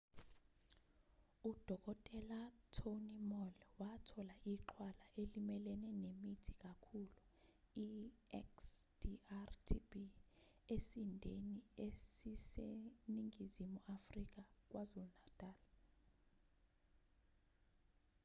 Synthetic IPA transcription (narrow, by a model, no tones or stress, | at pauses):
ud̥ʱɔk̬ʼɔtʼɛlatʰonimɔlwatʰɔlaʔiǃʰwalaʔelimɛlɛnɛnemitʰikʼakʰuluiɛ̰ksd̥iartʰibi | esindʱeniesiseniŋʱizimuʔafrik̬ʼak̬ʼwazulnad̥ʼʱaːla